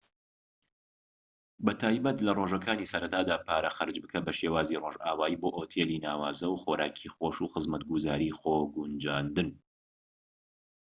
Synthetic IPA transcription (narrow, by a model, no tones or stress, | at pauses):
bɐt̪ʰaːjbɐt̪lɐroːʒɐkaːnisɐɾɐt̪aːd̪aːpʰaːɾɐxɐɾd͡ʒbɨkʰɐbɐʃeːwaːziːroʒaːwaːiːboːʔoːt̪ʰeːliːnaːwaːzɐwxoːɾaːkʰixoːʃuxɨzmɐt̪̚ɡuzaːɾiːxoːɡund͡ʒaːnd̪ɨn